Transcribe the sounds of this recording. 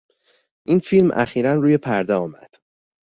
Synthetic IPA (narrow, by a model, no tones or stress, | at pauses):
ʔiːnfilmʔæ̰xiːɾænruːje̞pʰæɾd̪eɒːmæ̰d̪̥